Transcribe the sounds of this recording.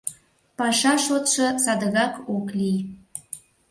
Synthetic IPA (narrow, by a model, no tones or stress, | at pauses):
pɑʃɑʃot̪ʃɤ̆sɑd̪əɣɑkoklij